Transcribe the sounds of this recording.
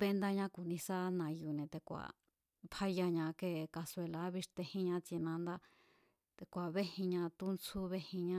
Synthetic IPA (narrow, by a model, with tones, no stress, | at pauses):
βe˧nd̪a˧ɲã˦ku˨nĩ˧sa˦nã˧ju˨nẽ˨˧t̪e˧kʷa̰˨ | pʰa˧ja˧ɲã˧ke˦˧ka˧se˧la˧˦βi˧ʂt̪e˧hĩ˦ɲã˦t͡si˧nã˧nd̪a˦ | t̪e˧kʷa˨βe˦hĩ˧ɲã˧t̪u˦nt͡sʰu˦βe˦hĩ˧ɲã˦